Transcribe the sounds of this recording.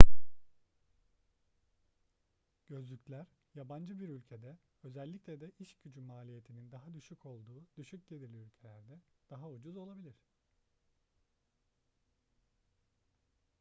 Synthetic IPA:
ɟ̥ø̞zlʲycʰʲlʲæɾjaband͡ʒɯbiɾylʲcʰe̞d̪ɛ | ø̞zɛlʲːiclʲɛd̪ɛʔiʃɟyd͡ʒymaːlʲije̞t̪ʰinind̪aɦad̪yʃycʰo̞lˠd̪uːd̪̥yʃyc̚ɟed̪iɾlʲiylʲcʰe̞lʲæɾd̪ɛd̪̥aɦaud͡ʒuzo̞lˠabilʲiɾ̝̥

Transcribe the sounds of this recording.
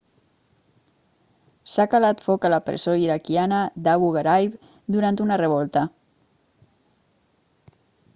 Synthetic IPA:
sakalat̪fɔkələpɾə̰soiɾakianəd̪aβuɣaɾajp | d̪uɾant̪unərəβ̞ɔlˠt̪ə

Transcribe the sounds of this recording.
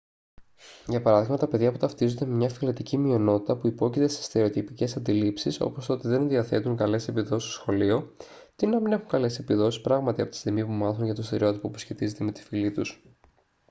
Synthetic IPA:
ʝɐpɐɾɐðiɣmɐt̪ɐpeðʝɐput̪ɐft̪izond̪e̞memɲɐfilet̪icimio̞no̞t̪it̪ɐpuipo̞cit̪e̞se̥st̪eɾeot̪ipice̞sɐnd̪ilipsiso̞̰po̞st̪ot̪eðe̞nnðiɐθe̞t̪uŋkɐle̞se̞piðo̞sist̪osxo̞lio̞ | t̪inɐmine̞xuŋkɐle̞se̞piðo̞sispɾɐɣmɐt̪iɐpt̪i̥st̪iɣmipumɐθunʝɐt̪ost̪eɾio̞t̪i̥popu̥sçe̞t̪ize̞t̪eme̞t̪i̥filit̪us

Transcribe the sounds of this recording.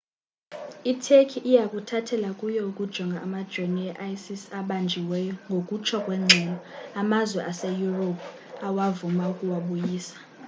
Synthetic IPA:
itʰekʰiʔːjakʼutʰatʰɛlakʼujɔukʼud̥ʒ̥ʱɔŋɡʱaʔːmad̥ʒ̥ʱoniɛʔajsisaɓand͡ʒʱiwɛjɔŋɡʱokʼut͡ʃʰɔkʼwɛŋ͡ǀʱɛlɔamazwɛʔasejuropʰ | awavumaukʼuwaɓujiːsḁ

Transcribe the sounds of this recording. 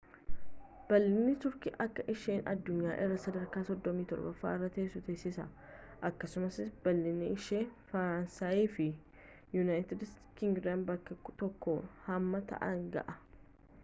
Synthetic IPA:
b̥ɐlːɪnːɪt̪ʊɾkɪʔɐkːɐʔɪʃeːnʔɐ̰d̪ːʊɲːa̰ːʔɪrːɐsɐd̪ɐɾkaːsɔd̪ːɔmiːt̪ɔ̰ɾbɐ̰fa̰ːɪrːɐt̪e̞ːsʊt̪eːsːɪsɐ̰ʔɐkːɐsʊmɐsɪb̥ɐlːɪnːɪɪʃeːfɐɾansaːjiːfɪ | jʊnaːjt̪ɪd̪s | kɪŋɡɾanbɐkːɐkt̪ɔkːohɐmːɐt̪ɐ̰ʔɐŋɡɐ̰ʔɐ

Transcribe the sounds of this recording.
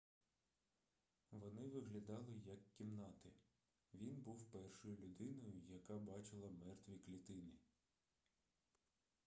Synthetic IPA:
ʋɔnɪʋɪɦlʲɐd̪ɑlˠɪjɐkʲːimnɑt̪ɪ | ʋʲinbuwpɛrʃɔjʊlʲʊd̪ɪnɔjʊjɐkɑbɑt͡ʃɪlˠɐmɛrt̪ʋʲiklʲit̪ɪnɪ

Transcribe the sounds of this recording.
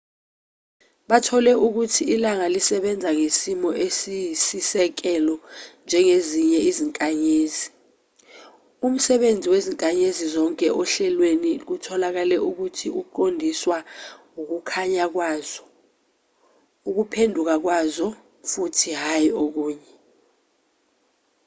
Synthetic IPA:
ɓatʰɔlɛuk̬utʰiilaŋalisɛɓɛnd͡zʱaŋesimɔʔesisisɛk̬ɛlɔnd͡ʒʱɛŋeziɲɛiziŋkʼaɲeːzi | um̩sɛɓend͡zʱiweziŋkʼaɲezizɔŋkʼɛʔɔɬɛlwenik̬utʰɔlak̬alɛʔuk̬utʰiuǃondʱiswaŋuk̬ukʰaɲak̬waːz̥ɔ | uk̬upʰendʱuk̬ak̬wazɔ | futʰiɦajok̬uːɲɛ

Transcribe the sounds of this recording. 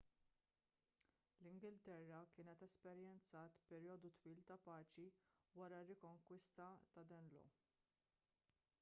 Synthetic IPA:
lɪŋɡɪlt̪ɛrːɐkɪːnɛt̪ɛspɛɾjɛnt͡sɐːt̪pɛɾjɔːd̪ut̪wiːlt̪ɐpɐːt͡ʃiwɐɾɐrːɪkɔŋkwɪst̪ɐt̪ɐd̪ɛnlɔ̰

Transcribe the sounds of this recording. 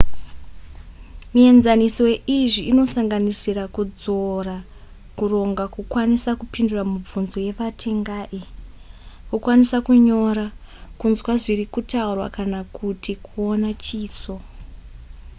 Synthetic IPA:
mie̞nzanisoeʔiʐiino̞saŋɡanisirakud͡zo̞ra | kuro̞ŋɡakukwanisakupinduramub͡vunzoje̞ʋatʰe̞ŋɡaːʔi | kukwanisakuɲo̞ɾa | kunzwaʐirikutaurwa̰kanakutʰikʰuonat͡ʃiːso̞

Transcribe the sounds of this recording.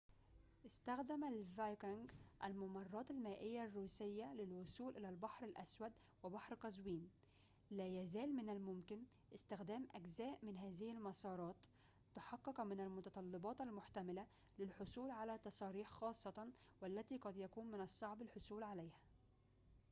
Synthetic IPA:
ʔɪst̪æxd̪æmælvajkɪŋɡʔælmʊmɑrˤːɑːt̪almæːʔɪjːarːuːsɪjːalɪlwʊsuːlʔɪlælbɑħɾalʔæswæd̪ | wɪbɑħɾqɑzwiːn | læːjæzæːlmɪnælmʊmkɪn | ʔɪst̪ɪxd̪æːmʔæɡzæːʔmɪnɦæːzɪhalmɑsˤɑːɾˤɑːt̪ː | ʊħɑqːɑqmɪnalmʊt̪ɑt̪ˤɑlːɑbɑːt̪almʊħt̪æmɪla | lɪlħʊsˤuːlʕalæt̪ɑsˤɑːɾiːħxɑːsˤːɑt̪ɑ | wælːæt̪iːqɑd̪jækuːnmɪnɑsˤːɑʕbɪlħʊsˤuːlʕalæjhæ

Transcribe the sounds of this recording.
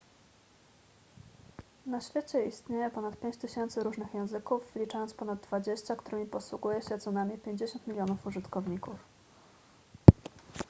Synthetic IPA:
naɕfʲjet͡ɕɛist̪ɲejɛpɔnat̪̚pʲeɲt͡ɕt̪ɘɕɛnt̪sɘɾuʐnɘxjɛ̃w̃zɘkufvlʲit͡ʂajɔnspɔnad̪̚ːvad͡ʑeɕt͡ɕakt̪uɾɘmʲipɔswuɡujɛɕɛt̪sɔnamʲipʲjeɲd͡ʑeɕɔ̃nt̪mʲilʲjɔnufuʐɘt̪kɔvɲikuf

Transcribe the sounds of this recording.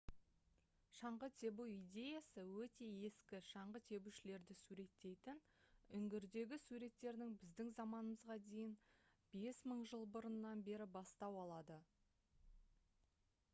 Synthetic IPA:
ʃɑɴʁət̪ʰe̞buijd̪ʲe̞jɑsəwɵt̪e̞e̞skʲɪʃɑɴʁət̪ʰe̞buʃɪle̞ɾd̪ɪsuɾe̞t̪ːe̞jt̪ɪn | ʏŋɡʲɪɾd̪e̞ɡʲɪsuɾe̞t̪ːe̞ɾd̪ɪŋbɪzd̪ɪŋzɑmɑnəməzʁɑd̪e̞jɪnb̥e̞sməɴʒəlˠbʊɾənːɑnbe̞ɾɪbɑst̪ɑwɑlˠɑd̪ə

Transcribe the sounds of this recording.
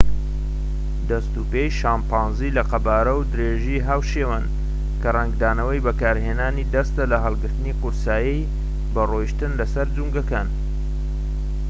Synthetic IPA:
d̪ɐst̪upejʃaːmpaːnzilɐqɐbaːɾɐwd̪ɨɾeːʒiɦaːwʃeːwan | kɐrɐŋɡd̪aːnɐwɐjbɐkaːɾɦeːnaːnid̪ɐst̪alɐɦɐlˠɡɨɾt̪ɨniqʊɾsaːji | bɐrojiʃt̪ɨnlɐsɐɾd͡zuŋɡɐkaːn

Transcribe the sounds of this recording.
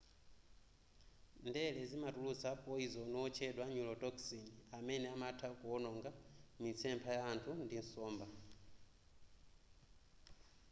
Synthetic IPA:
ndɛlɛzimatulut͡sapʼɔizɔnɔwɔt͡ʃʰɛɗwaɲulɔtɔksiniamɛnɛamatʰakuɔnɔŋɡamit͡sʰɛmpʰajaːntʰundinsɔːmba

